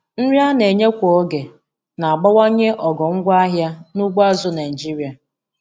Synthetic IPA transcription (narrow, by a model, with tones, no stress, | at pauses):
n̩˦ɾi˦a˦ne˨ɲe˦kʷo˨o˦ɡe˨ | na˨a˨ɡ͡ba˦wa˦ɲe˦ʔɔ˨ɡɔ˨ŋ̩˦ɡʷa˦ɦja˦nu˦ɡʷa˦zʊ˨˦na˨d͡ʒi˦ɾi˨a˨